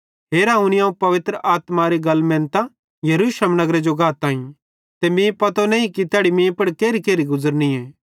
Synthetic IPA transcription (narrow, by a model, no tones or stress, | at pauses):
ɦeːɾaːʊ̃niãːũpɐʋɪt̪ɾəʔaːt̪maɾiɡɐlmɛ̃ːnt̪a | jɐɾuːsləmnɐɡɾed͡ʒoɡaːt̪ːãːĩ | t̪emĩːpɐt̪onɛ̃ːĩkit̪aːɽimẽːpɐɽkeːɾikeːɾiɡʊzəɾniɛ̃ː